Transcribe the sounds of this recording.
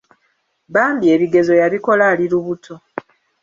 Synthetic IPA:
baːmbie̞ːβiɡe̞zo̞jaβiko̞laːliɾuβutʰo̞

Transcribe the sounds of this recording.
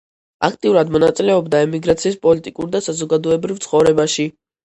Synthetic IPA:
akʰt̪ʼiuɾad̪mɔnat̪sʼilɛɔbd̪aɛmiɡɾat̪sʰiːspʼɔlit̪ʼikʼuɾd̪asazɔɡad̪ɔɛbɾivt̪sʰχɔvɾɛbaʃi

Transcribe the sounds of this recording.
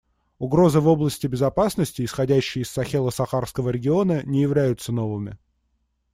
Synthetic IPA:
ʊɡɾo̞zɨvo̞blˠəsʲtʲɪbʲɪzɐpasnəsʲtʲɪɪsxɐdʲæɕːɪjəɪsːɐxʲelˠəsɐxarfskəvəɾʲɪɡʲɪo̞nənʲɪjɪvlʲæjʊt̪səno̞vɨmʲɪ̰

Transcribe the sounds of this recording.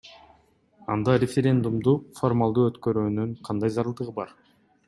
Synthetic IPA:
ɑnd̪ɑɾʲɪfʲeɾʲe̞nd̪umd̪ufo̞rmalˠd̪uːøt̪køɾyːnyɴqʰɑnd̪ɑjzɑɾɯlˠd̪ɯʁɯbɑɾ

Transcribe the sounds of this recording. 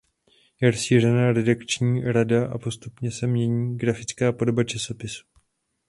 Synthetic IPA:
jɛɾsiːr̝ɛnaːɾɛdakt͡ʃɲiːɾadaʔa̰po̞st̪upɲɛsɛmɲɛɲiːɡɾafɪt͡skaːpo̞do̞bat͡ʃaso̞pɪsu̥

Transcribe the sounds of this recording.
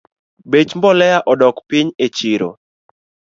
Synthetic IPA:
bet͡ʃmbɔlɛjaʔɔdɔkpɪɲet͡ʃiɾo̰

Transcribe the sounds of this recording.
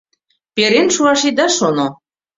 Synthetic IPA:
peɾenʃuɑʃid̪ɑʃono

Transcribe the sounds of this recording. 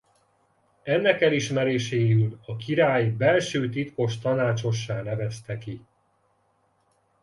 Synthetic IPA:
ɛnːɛkɛliʃmɛɾeːʃeːylɒkiɾaːjbɛlʃøːt̪it̪ko̞ʃt̪ɒnaːt͡ʃo̞ʃːaːnɛvɛst̪ɛki

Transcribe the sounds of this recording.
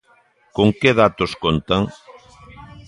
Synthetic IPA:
koŋkeðat̪oskont̪aŋ

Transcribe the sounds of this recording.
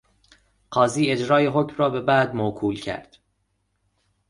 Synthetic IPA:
ɢ̥ɒːziːe̞d͡ʒɾɒːjeɦoːcmrɒːbe̞bæːd̪mokʰuːlcʰæ̰ɾd̪̥

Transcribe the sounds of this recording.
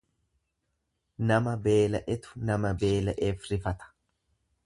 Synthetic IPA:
nɐmɐbe̞ːlɐʔɛt̪ʊ̥nɐmɐbe̞ːlɐʔeːfɾɪfɐt̪ɐ̥

